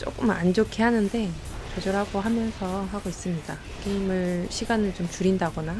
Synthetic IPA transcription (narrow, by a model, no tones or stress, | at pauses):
t͡ɕ͈o̰k͈ɯma̰nd͡ʑokʰiɦanɯnde̞ | t͡ɕod͡ʑʌɾɦaɡoɦamjʌnsʰʌɦaɡois͈ɯmɲida | k͈eimɯɭɕʰiɡanɯɭt͡ɕomt͡ɕuɾindaɡʌna